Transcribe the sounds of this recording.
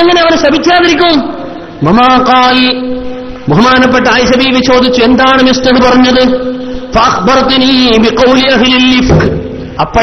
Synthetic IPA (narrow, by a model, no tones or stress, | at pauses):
eŋːɐneɐʋɐnɕɐbʱit͡ɕːaːðɐɾikʲːu | wɐmaːqɑːl | buɦmaːnɐp̬ːeʈːɐaːjɐɕɐbiːʋit͡ɕo̞ːd̪ʱit͡ɕːuend̪aːɳɨmist̪ɐðɨpɐrɐɲːɐðɨfɐʔɐxbɐɾt̪niːbiqɐwliʔɐɦlilːifqɨ | ɐpːɐ